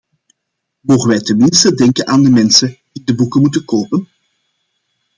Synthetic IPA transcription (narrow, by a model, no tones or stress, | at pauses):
moːɣənʋɛjtənmɪnstədɛŋkənʔaːndəmɛnsəd̥idəbukənmutənkoːpən